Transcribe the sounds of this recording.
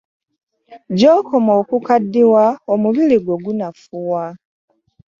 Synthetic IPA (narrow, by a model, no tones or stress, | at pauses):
ɟoːkʰo̞moːkukadːiwaomuβiliɡwo̞ɡunafuwa